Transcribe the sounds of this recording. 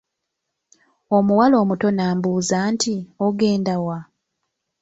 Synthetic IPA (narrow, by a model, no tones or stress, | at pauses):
o̞muwalo̞ːmuto̞naːmbuːzantʰioɡe̞ːndawa